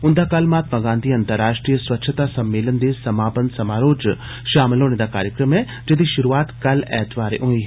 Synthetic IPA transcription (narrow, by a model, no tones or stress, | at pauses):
ʊ̃nd̪aːkɐlmaːt̪maɡãːnd̪ʱiɐ̃nt̪əɾːaːʃʈɾijəswɐtːʃʰət̪asɐmːeːlənd̪esɐmaːpənsɐmaːɾoːd͡ʒ | ʃaːmlɦoːned̪akaːɾjəkɾəmɦɛ̃ | d͡ʒɐd̪iʃʊɾuaːt̪kɐlɛ̰ːt̪ʋaːɾḛʔũːiɦ